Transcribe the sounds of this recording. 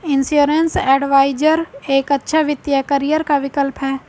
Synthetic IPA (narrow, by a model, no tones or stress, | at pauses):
ɪnsuːɾensɛːɖʋaːɪd͡ʒəɾeːkɐtːʃʰaʋɪt̪jakɐɾijəɾkaʋɪkəlpɦɛː